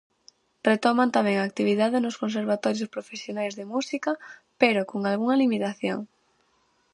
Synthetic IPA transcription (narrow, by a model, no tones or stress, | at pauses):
ret̪ɔmant̪amɛ̃ŋaːk̚t̪iβ̞iðaðɪnʊskonseɾβ̞at̪ɔɾjospɾofesjonajzðemusikɐpeɾokoŋalɣuŋɐlimit̪aθjo̰ŋ